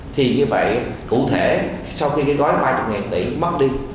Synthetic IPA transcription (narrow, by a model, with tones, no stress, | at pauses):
t̪ʰi˨˩ɲɨ˧və̰˧˨jkṵ˧˨t̪ʰe˧˩ | sa˧wxi˧kaː˨˦jɣɔ˨˦jɓaː˧t͡ɕɔ˧˩m̚ŋaː˨˩nt̪ḭ˧˩mə˦˥t̚ɗi˧